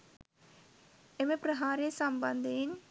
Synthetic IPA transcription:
emẽpɾəɦaːɾeːsəmbənd̪ɪn

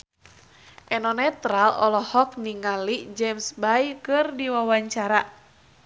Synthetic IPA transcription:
ʔɛnɔnɛt̪ɾalɔ̰lɔhɔk̚niŋalid͡ʒɛmsbajkɨrdiwawaɲt͡ʃaɾa

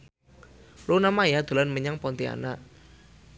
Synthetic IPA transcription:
lunamajad̪̥o̤lanməɲaŋpɔnt̪ia̰naʔ

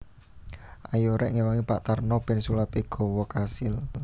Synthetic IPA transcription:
ʔajoɾɛʔŋiwaŋipaʔt̪arnɔb̥ɛ̤nsulapiɡ̥ɔ̤wɔkasɪl

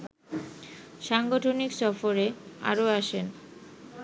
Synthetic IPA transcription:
ʃaŋɡoʈʰoniksɔfoɾea̰ɾoaʃen

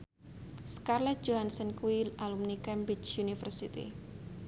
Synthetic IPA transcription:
skarlat̪̚d͡ʒoɦansənkuilalumnikɛmbɾit͡ʃjunifərsit̪ḭ

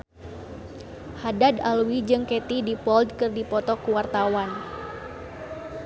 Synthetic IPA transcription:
hadadalwid͡ʒɨŋkɛt̪idipɔldkɨrdipɔt̪ɔkuwart̪awan

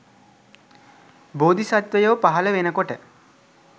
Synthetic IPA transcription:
boːd̪ʱisat̪ʋəjoːpaɦɐləʋenəkoʈə

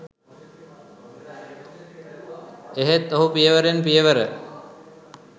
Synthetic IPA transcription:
eɦet̪ːoɦupijəʋəɾenpijəʋəɾə

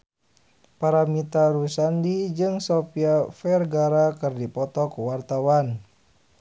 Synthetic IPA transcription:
paɾamit̪aɾusandid͡ʒɨŋsɔpiafɛrɡaɾakɨrdipɔt̪ɔkuwart̪awan

